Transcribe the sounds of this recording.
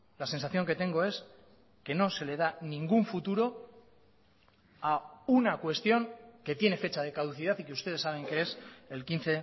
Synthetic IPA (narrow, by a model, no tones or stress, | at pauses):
lase̞nsaθjo̞ŋke̞t̪e̞ŋɡo̞e̞s | ke̞no̞se̞le̞ð̞aniŋɡuɱfut̪uɾo̞ | aunakwe̞st̪jo̞ŋke̞t̪je̞ne̞fe̞t͡ʃað̞e̞kaðuθið̞at̪ikeust̪e̞ðesaβ̞e̞ŋke̞eselkinθe̞